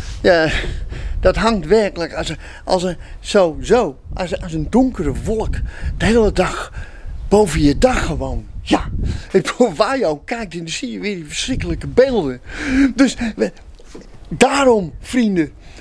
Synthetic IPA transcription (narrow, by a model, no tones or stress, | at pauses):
ja | d̥ɔtɦaŋtʋɛrkələkasə | ʔɔ̰lˠsəsoːzosasəndʊ̃ŋkərəʋolˠəkd̥əheːlˠədax | b̥owvənjədaxəʋownjaɪoʋaːjowkɛjk̚tɪndəsijəʋɪdifərsrɪkələkəbeːlˠdədøs | daːɾomfrində